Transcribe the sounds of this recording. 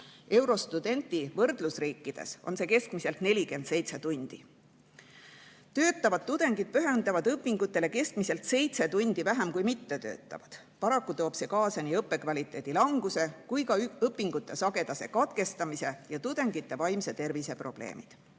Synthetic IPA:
e̞wɾo̞st̪ud̪̥e̞nt̪ivɤrd̪̥lusriːkːid̪̥e̞̰so̞̰nse̞ːke̞skmise̞lt̪nelʲike̞nd̪̥se̞jt̪set̪unʲd̪̥i | t̪ø̞ːt̪ːˑɑvɑd̪̥̚t̪ːud̪̥e̞ŋɡ̥id̪̥̚pyɦend̪ɑvɑd̪̥ɤpːˑiŋɡut̪ːˑe̞le̞ke̞skmise̞lt̪se̞jt̪set̪unʲd̪̥ivæɦemkujmit̪ːe̞t̪ø̞̰ːt̪ˑːɑ̰vɑd̪̥ | pɑɾɑkːut̪o̞ːb̥se̞ːkɑːsɑnʲiɤpːˑe̞kvɑlʲit̪ˑːe̞ːd̪̥ilɑŋɡ̥use̞kujkɑɤpːˑiŋɡ̥ut̪ːˑe̞sɑɡe̞d̪̥ɑse̞̰kɑt̪ke̞st̪ɑmise̞jɑt̪ud̪̥e̞ŋɡ̥it̪ːe̞vɑjmse̞t̪e̞rvise̞pro̞̰b̥le̞̰ːmḭd̪̥

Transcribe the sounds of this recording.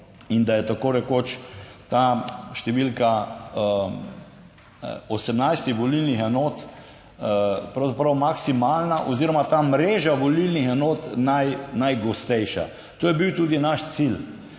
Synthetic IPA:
ind̪ajɛt̪akoːɾɛkot͡ʃt̪aːʃt̪ɛʋilka | ɔsɛmnajst̪ixʋɔlilnixɛnoːt̪ | pɾawzapɾawmaksimaːlnaʔɔziɾɔmat̪aːmɾeːʒaʋɔlilnixɛnoːt̪najnajɡɔst̪ɛjʃa̰ | t̪oːjɛbiwt̪uːd̪inaʃt̪sil

